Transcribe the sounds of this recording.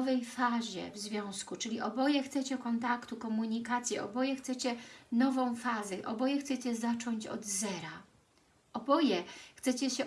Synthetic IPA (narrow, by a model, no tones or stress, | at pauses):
vɛjfaʑɛ̰vzvʲjɔ̃w̃skut͡ʂɘlʲiʔɔbɔjɛxt̪sɛt͡ɕɛkɔnt̪akt̪ukɔmuɲikat̪sʲjɛʔɔ̰bɔjɛxt̪sɛt͡ɕɛnɔvɔ̃w̃fazɛʔɔbɔjɛxt̪sɛt͡ɕɛzat͡ʂɔɲt͡ɕɔ̰d̪zɛɾa | ʔɔbɔjɛxt̪sɛt͡ɕɛɕɛ